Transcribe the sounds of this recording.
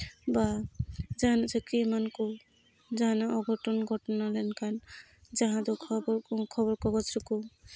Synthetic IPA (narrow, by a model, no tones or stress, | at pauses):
bad͡ʒanasɔkimanku | d͡ʒanaɔɡʱɔʈɔnɡʱɔʈɔnalɛnkan | d͡ʒaɦãd̪ɔkʰɔbkʰɔbɔɾkɔɡɔt͡ʃɾɔku